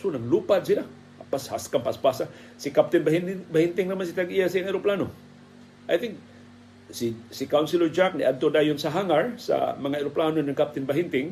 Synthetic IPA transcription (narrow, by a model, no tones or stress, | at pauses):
sunaŋlupad̪̚sila | pasha̰skampaspasa | sikap̚t̪ɪnbaɦinbahint̪ɪŋnamans̬it̪aɡiasiŋaiɾuplanʊ | ʔajt̪ɪ̃ŋk | sisikawnsilɔd͡ʒak̚niʔant̪odajʊnsaɦaŋaɹsa̰maŋaiɾuplanunankap̚t̪ɪnbaɦint̪ɪŋ